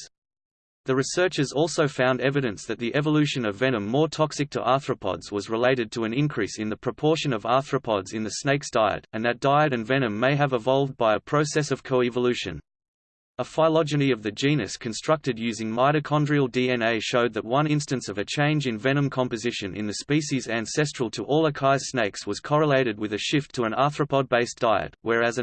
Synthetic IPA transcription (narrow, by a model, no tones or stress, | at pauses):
ðɨɹɨsɜ˞t͡ʃə˞zɔlˠsoʊfãʊ̃ndɛvɨɾɨ̃nsðɨt̪̚ðiʔɛvəlʉʃɨ̃nʌvɛnɨ̃mːɔɹtʰɑksɨk̚tʰə̰ʔɑˑθɹəpʰɑ̰dz̥wʌzɹəleɪɾɨd̚tʰəɨ̃nɪ̃nkʰɹ̥isɨ̃nðɨpʰɹ̥ɨpʰɔɹʃɨ̃nʌvɑˑθɹɨpʰɑdzɨ̃nðɨsneɪksd̥aɪɨ̰ɾɨ̃nðɨt̚d̥aɪɨɾɨ̃nvɛnɨ̃mːeɪɨvəvɑlˠvd̚baɪəpʰɹ̥əʊsɛsʌv̥kʰəʊɛvəlʉʃɨ̰̃n | əfaɪlɑd͡ʒɨɾiʌvðɨd͡ʒĩnɨskʰɨ̃n̩stɹ̥ʌk̚tɨdjʉzɪ̃ŋmaɪɾɨkʰɑ̃ndɹil̩ˠdiɛ̃neɪʃoʊd̪̚ðɨt̚wʌ̃nɪ̃nstɨ̃nsʌvɨt͡ʃʰẽɪ̃nd͡ʒɨ̃nvɛñɨ̃mkʰɑ̃mpɨzɪʃɨ̃nʔɨ̰̃nðɨspiʃizæ̃nsɛstɹ̥l̩ˠtʰəʔɔlˠəkʰaɪsneɪkswʌz̥kʰɑɹəleɪɾɨd̚wɨðɨʃɪftʰəɨ̃nɑθɹəpʰɑd̚beɪsd̥aɪɨ̰t̚wə˞ɨzɨ̃